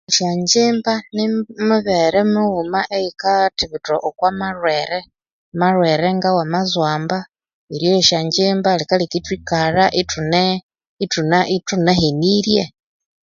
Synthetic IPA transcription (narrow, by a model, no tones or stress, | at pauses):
iʃaɲd͡ʒiːmbanimuβeɾemuɣumaʔeikatiβuto̰ʔokwamarweɾe | marweɾeŋɡawamazwaːmba | iɾjoiʃaɲd͡ʒiːmbalikalikitwikaraʔitune | itunaʔituneheniɾje